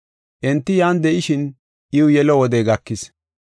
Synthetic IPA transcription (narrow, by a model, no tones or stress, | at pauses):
ʔɛnt̪ːɪjaːnd̪ɛʔɪʃɪn | ʔɪwʊjɛlɔwɔd̪ɛːɡɐkːɪs